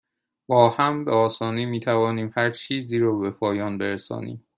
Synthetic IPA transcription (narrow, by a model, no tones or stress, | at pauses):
b̥ɒːhæmbeɒːsɒːniːmiːt̪ʰævɒːniːmhæɾt͡ʃʰiːziːɾɒːbe̞pʰɒːjɒːnbeɾesɒ̰ːnḭːm